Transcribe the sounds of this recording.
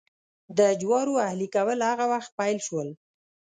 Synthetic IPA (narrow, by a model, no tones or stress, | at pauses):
d̪əd͡ʒwɑɾoahlikawəlhaɣawaxt̪̚pajlʃwəl